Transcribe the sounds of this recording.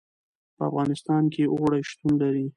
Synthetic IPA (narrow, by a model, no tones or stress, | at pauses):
pəa̰fɣɑnɪst̪ɑnkeʔoɣɽajʃt̪unlaɾi